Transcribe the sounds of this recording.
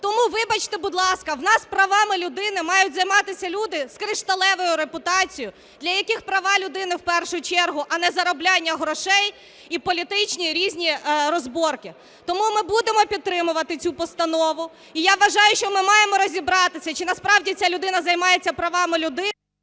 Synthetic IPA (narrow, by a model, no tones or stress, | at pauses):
t̪ɔmuʋɪbɐt͡ʃt̪ɛbud̪lˠɑskɐwnɑspɾɐʋɑmɪlʲʊd̪ɪnɪmɑjʊtʲzɐjmɑt̪ɪsʲɐlʲud̪ɪskɾɪʃt̪ɐlˠɛʋɔjʊɾepʊt̪ɑt͡sʲijʊ | d̪lʲɐjɐkixpɾɐʋɑlʲʊd̪ɪnɪwpɛrʃʊt͡ʃɛrɦʊʔɐnɛzɐɾɔblʲɑnʲːɐɦɾɔʃɛj | ipɔlʲit̪ɪt͡ʃʲnʲiɾʲizʲnʲiɾɔzbɔrkɪ | t̪ɔmumɪbud̪emɔpʲid̪t̪̚t̪ːɾɪmʊʋɐt̪ɪt͡sʲupɔst̪ɐnɔʋʊ | ijaʋʋɐʒɑjʊʃt͡ʃɔmɪmɑjemɔɾɔzʲibɾɑt̪ɪsʲɐt͡ʃɪnɐspɾɑwdʲit͡sʲalʲʊd̪ɪnɐzɐjmɑjet͡sʲːɐpɾɐʋɑmɪlʲʊd̪ɪ